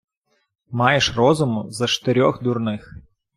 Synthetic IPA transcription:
mɑjeʃrɔzʊmʊzɐt͡ʃt̪eɾʲɔxd̪urnɪx

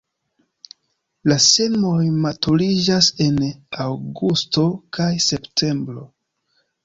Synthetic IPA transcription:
lase̞mo̞jmatulid͡ʒase̞nawɡusto̞kajseptʰe̞mbɾo̞̰

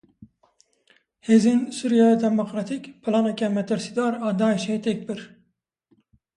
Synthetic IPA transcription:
hezɪnsuɾjɑd̪ʰɛmoqɾɑt̪ʰɪkʲpʰɨlˠɑnekʲɛmɛt̪ʰɪɾsid̪ɑɾɑd̪ɑiʃejt̪ʰɛk̚ʲbɪɾ

